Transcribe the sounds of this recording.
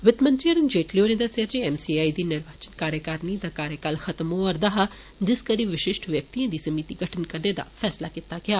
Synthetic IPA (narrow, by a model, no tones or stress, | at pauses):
ʋɪt̪mɐ̃nt̪ɾiɐɾʊnd͡ʒeːʈlioːnẽd̪ɐseɐd͡ʒeɛmsiaːid̪inɪɾʋaːt͡ʃənkaːɾjəkaːɾnid̪akaːɾjəkaːlxɐt̪mõɔːɾd̪ɐɦa | d͡ʒɪskɐɾiʋɪʃɪʃʈʋjɐk̚t̪iãd̪isɐmiːt̪iɡʱɐʈʰənkɐɾned̪a̰fʰɛːslakɪt̪aɡɐjaː